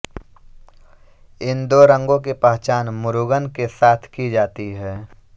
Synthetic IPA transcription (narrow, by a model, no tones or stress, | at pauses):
ɪnd̪oːɾə̃ŋɡõk̬epaɦt͡ʃaːnmʊɾuɡənkesaːt̪ʰkid͡ʒaːt̪iɦɛː